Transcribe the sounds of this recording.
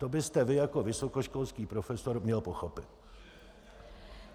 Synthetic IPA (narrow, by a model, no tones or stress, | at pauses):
t̪obɪst̪ɛvɪjako̞vɪso̞koʃko̞lskiːpɾofɛso̞ɾmɲɛlpoxopɪt̪̚